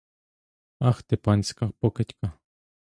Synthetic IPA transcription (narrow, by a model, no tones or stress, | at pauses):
axt̪epanʲskapoket̪ka